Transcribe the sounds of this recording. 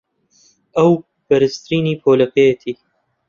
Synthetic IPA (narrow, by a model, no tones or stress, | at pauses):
ɐw | b̥ɐɾɨst̪ɾiːniːpʰoːlɐpeːt̪ʰiː